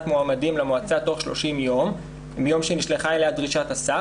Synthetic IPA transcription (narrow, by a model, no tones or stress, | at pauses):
tmoamadimlemoat͡sato̞χʃlo̞̰ʃimjo̞m | bejo̞mʃeniʃleχaelejadʁiʃatasa